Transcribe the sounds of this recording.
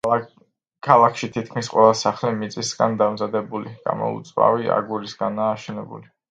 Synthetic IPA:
kʰalˠakʰʃit̪ʰit̪̚ʰkʰmisqʼwɛlˠasaχlimit̪sʼisɡand̪amzad̪ɛbuliɡ̥a̰mɔ̰ṵt̪sʼva̰via̰ɡuɾisɡanaːʃɛnɛbṵli

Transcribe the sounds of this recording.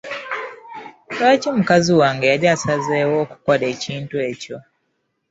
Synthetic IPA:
taːcimukaziwaːŋɡejaɾasazeːwoːku̥kwale̞ːciːntue̞ːco̞

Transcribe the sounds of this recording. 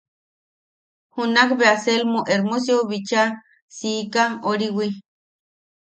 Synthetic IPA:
hunakbeaselmuʔeɾmus̬joβit͡ʃa | siːkaoɾiwi

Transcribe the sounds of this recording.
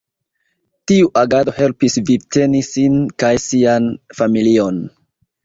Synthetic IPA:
tiuʔaɡado̞he̞lpisvib̚te̞nisinkajsianfamilio̞n

